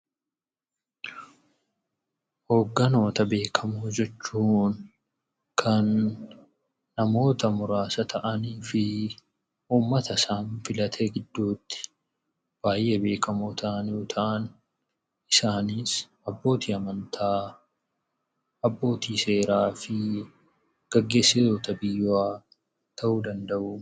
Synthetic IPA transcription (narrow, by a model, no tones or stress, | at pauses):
ho̞ːɡːɐno̞ːt̪ɐbe̞ːkʰɐmuːd͡ʒɛt͡ʃːuːŋ | kʰɐn | ɐmo̞ːt̪ɐmʊɾaːsɐt̪ʰɐʔɐniːfɪ | uːmːɐt̪ɐsaːnfɪlɐt̪ʰeːɡɪd̪ːuːt̪ːɪ̥ | b̥aːjʔe̞ːbe̞ːkɐmoːt̪ʰɐʔɐnjoːt̪ʰɐʔɐn | ɪsaːniːs | ɐbːo̞ːt̪iːɐmɐnt̪ʰaː | ɐbːo̞ːt̪iːse̞ːɾaːfɪ | ɡ̥ɐɡːe̞ːsːɪt̪o̞ːt̪ɐbɪjwaː | t̪ɐʔuːd̪ɐnd̪ɐʔʊ